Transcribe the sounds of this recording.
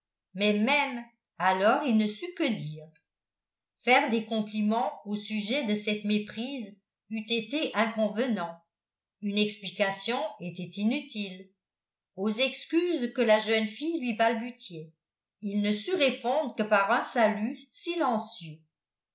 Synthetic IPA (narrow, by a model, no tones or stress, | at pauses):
mɛmɛm | alɔːʁilnəsykəd̪iːʁ | fɛʁd̪ekɔ̃plimɑ̃osyʒɛd̪əsɛt̪mepχiːz | yt̪et̪eʔɛ̃kɔ̃vənɑ̃t | ynɛksplikasjɔ̃et̪ɛt̪inyt̪il | ozɛkskyːzkəlaʒœnfijlɥibalbysjɛ | ilnəsyʁepɔ̃d̪ʁəkəpaʁœ̃salysilɑ̃sjø